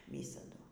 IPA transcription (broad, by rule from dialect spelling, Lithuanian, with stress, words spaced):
ˈʋʲiːsɐdʊ